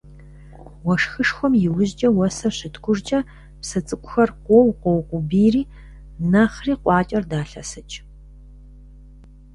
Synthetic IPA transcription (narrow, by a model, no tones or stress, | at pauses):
wɔʂxɨʂxʷɔmjɪwʊʑd͡ʒʼɐwɐsɐɕɪtɡʷʊrd͡ʒʼɐ | psɐt͡sʼɨkʷʼʊxɐrqʷoːwqʷɔwqʷʊbiːriː | nɐχriːqʷʼɑːt͡ʃʼɐrdaːɬɐsɐt͡ʃʼ